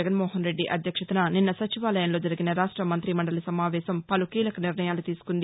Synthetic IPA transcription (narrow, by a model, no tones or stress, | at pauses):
ɐɡɐnmɔːɦɐnɾe̞ɖːiʔɐd̪ʱjɐkʂɐt̪ɐnaninːɐsɐt͡ʃiʋaːlɐjɐnlo̞ːd͡ʒɐɾiɡinɐɾaːʂʈɾɐmɐnt̪ɾimɐɳɖɐlisɐmaːʋɛːʃɐmpɐlukiːlɐkɐniɾnɐjaːlut̪iːsu̥kund̪i